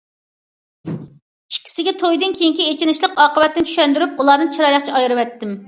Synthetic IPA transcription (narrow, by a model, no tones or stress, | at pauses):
i̥ʃkʲʰi̥sɪɡʲɛt̪ʰojd̪ɨnkʲʰejiŋkʲiet͡ʃʰinɪʃlˠəqɑːqəwɛt̪ːɪnt͡ʃ̪ʰy̥ʃɛnd̪yɾypulˠɑnɨnt͡ʃʰiɾɑjlˠɑχt͡ʃʰɛɑjɾɨwɛt̪ʰːɪm